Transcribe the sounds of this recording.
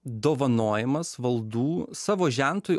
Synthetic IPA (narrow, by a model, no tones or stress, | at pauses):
d̪oːʋɐnoːjɛmɐsʋɐlˠd̪uːsɑːʋoːʒʲæˑnt̪oːj